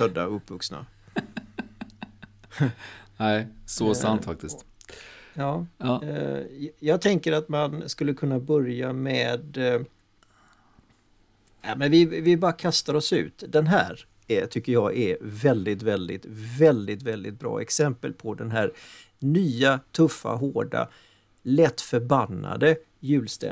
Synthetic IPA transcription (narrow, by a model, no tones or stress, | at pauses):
tœd̪ːa̰ɵpːvɵksna̰ | næɪsɔsant̪fak̚t̪ɪst̪ | jɑː | jɑːɡ̚t̪ʰɛŋkəɾat̪manskɵlːəkʰɵnːabœɾjameːd̪ | amɛnvɪvɪbɑːɾakʰast̪aɾɔsʉ̟̰ːt̪d̪ɛnɦæ̰ːɾ | t̪ʰʏkːəjɑɡɛvɛld̪ɪt̪vɛld̪ɪ̰t̪vɛld̪ɪt̪vɛld̪ɪ̰t̪̚bɾɑ̰ːɛksɛmpə̰lpʰɔd̪ɛnɦæːɾ | nyːat̪ʰɵfːa̰ɦoːɖa̰ | lɛt̪ːfœɾbanːa̰d̪ə | jʉ̟ːlst̪ɛ̰